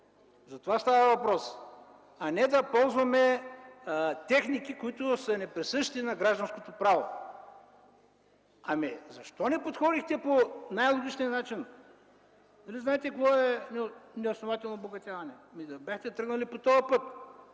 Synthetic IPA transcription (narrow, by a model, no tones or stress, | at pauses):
zɐt̪ovast̪avɐvɐpɾɔs | ɐnɛd̪ɐpɔlˠzvɐmɛ | t̪ɛxnikikʊit̪ʊsɐnɛpɾɛsɤʃt̪inɐɡɾaʒd̪ɐnskot̪opɾavo̰ | ɐmizɐʃt̪ɔnɛpot̪xɔd̪ixt̪ɛponajlˠoɡʲit͡ʃnijɐnat͡ʃin | nɐliznaɛt̪ɛkvɔɛnɛnɛosnovat̪ɛlˠnoboɡɐt̪ʲavɐnɛmid̪ɐbʲaxt̪ɛt̪ɾɤɡnɐlipot̪ɔəpɤt̪̚